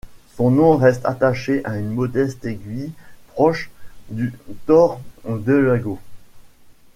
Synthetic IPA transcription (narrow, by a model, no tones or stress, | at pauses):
sɔ̃nɔ̃ʁɛst̪a̰t̪aʃeʔaynmɔd̪ɛst̪eɡʲɥipχɔʃd̪yt̪ɔʁd̪əlaɡo